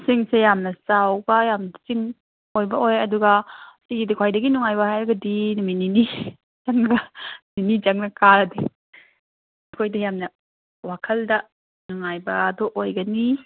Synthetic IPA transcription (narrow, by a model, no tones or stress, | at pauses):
siŋsejamnɐsawbɐjamnt͡ʃiŋ | ojbɐojɐduɡɐsiɡidikʰwajdɐɡinuŋajbɐhajɾɐɡɐdinuminini | d͡ʒɐŋɐninid͡ʒɐŋnɐkaɾɐdi | ɐkʰojdɐjamnɐ | wakʰɐldɐ | nuŋajbɐːdoʔojɡɐni